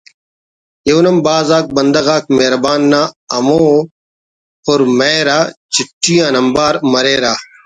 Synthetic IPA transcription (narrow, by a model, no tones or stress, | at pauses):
jewnɐmbaːzaːk̚bɐnd̪ɐɣaːk̚meːɾbaːnːaːɐmoː | oːɾmeːɾaːt͡ʃɪʈːijãːnɐmbaːɾmɐɾeːɾaː